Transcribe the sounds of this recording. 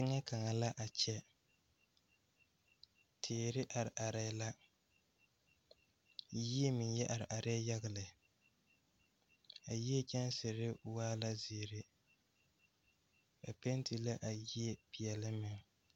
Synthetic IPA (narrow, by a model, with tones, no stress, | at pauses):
tɪ˦ŋa˦ka˨ŋa˨la˦ʔa˨t͡ʃɛ˦ | tʰeː˨ɾɪ˦ʔa˨ɾɪ˨ʔa˨ɾa˦la˦ | ji˦e˦mɪ˨njɛ˦ʔa˨ɾɪ˨ʔa˨ɾa˦ja˦ɣa˨lɨ˨ | a˨ji˦ɛ˦t͡ʃɛ˦nsɨ˨ɾɪ˦waː˦la˦ze˨ɾɪ˦ | a˨pe˦nti˨la˦ʔa˨ji˦e˦pi˨jɛ˨lɨ˦mɪ˨ŋ